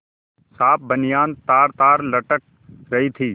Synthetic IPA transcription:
saːp̚bənijaːnt̪aːɾt̪aːɾlɐʈək̚ | ɾɐɦit̪ʰiː

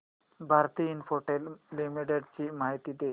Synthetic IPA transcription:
bʱaɾt̪iːnfoʈellimiʈeɖt͡ɕimaɦit̪id̪e

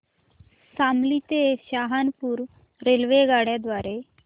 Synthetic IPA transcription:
samlit̪eɕaɦanpuːɾ | ɾelʋeɡaɽjad̪ʋaɾe

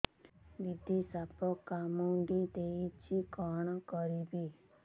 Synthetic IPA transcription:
ʋid̪isapɔkːamũɖid̪eit͡ʃʰikɔɳ̃kɔɾibi

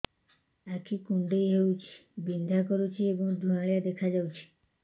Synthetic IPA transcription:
akʰikũɳɖeiɦeut͡ʃʰi̥bind̪ʱakɔɾut͡ʃʰiebɔ̃ŋd̪ʱuaɭjad̪ekʰad͡ʒaut͡ʃʰe̥

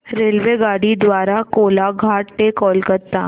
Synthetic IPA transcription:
ɾeːlʋeɡaːɽid̪ʋaːɾakoːlaɡʱaːʈʈekɔːlkɐɾt̪aː

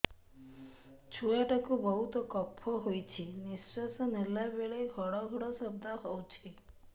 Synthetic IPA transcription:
t͡ʃʰujaʈakubɔɦut̪ɔkɔpʰːɔɦojt͡ʃʰinisasɔnelabeɭeɡʱɔɽɔɡʱɔɽɔsɔb̚d̪ʱaɦɔwt͡ʃʰi

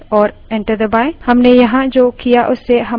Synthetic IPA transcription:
ɔɾ | ɛ̃ɳʈəɾd̪əbajhəmnɛjɐɦãʔd͡ʒokijaʔʊsɛɦə

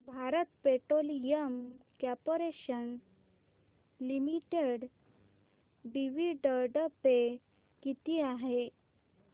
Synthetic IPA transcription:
bʱaɾət̪peʈɾolijəmkapoɾeɕən | limiʈeɖ | ɖiʋiɖəɾɖəpe | kit̪iːaɦe

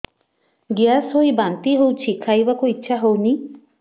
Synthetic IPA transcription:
ɡjasɦojbant̪iɦowt͡ʃʰikʰajbakuitːʃʰaɦowni

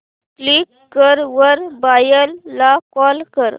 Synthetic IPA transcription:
klikːəɾʋəɾbajəlːakɔlkəɾ

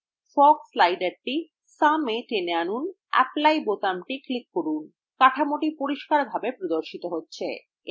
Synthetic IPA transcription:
fɔkslajɖaɾʈi | sameʈeneanun | ɛ̰plajbot̪amʈiklikːoɾun | kaʈʰamoʈipoɾiʃkaɾbʱabepɾod̪oɾʃit̪oɦotːɕʰe

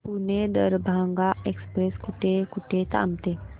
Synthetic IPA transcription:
puned̪əɾbʱaŋɡaekspɾeskuʈʰekuʈʰet̪a̰mt̪e

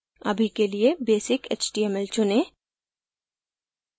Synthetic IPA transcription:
ɐ̰bʱikeliebeːsɪkḛːt͡ʃʈiɛmɛlt͡ʃʊnẽː

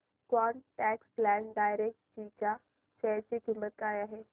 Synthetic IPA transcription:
kaːnʈɛːksplɛːɳɖaːjɾek̚ʈd͡ʑika | ʃɐɦt͡ɕikimːət̪̚kaːiaːɦeː

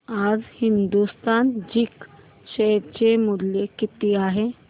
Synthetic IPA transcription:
ad͡zhind̪ust̪and͡ʑiːk | ɕet͡ɕemuɾlekit̪iaɦe

